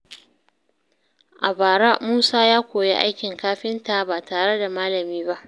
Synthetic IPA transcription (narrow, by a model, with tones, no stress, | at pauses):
ʔa˨baː˨ɽa˦muː˦saː˦jaː˦kʷoː˨jḛ˦ʔa̰˦jkʲɪ˨ŋkaː˦ɸɪ˦nta˨baː˨taː˨ɽe˦da˨maː˦lɐ˨miː˦ba˦ʔ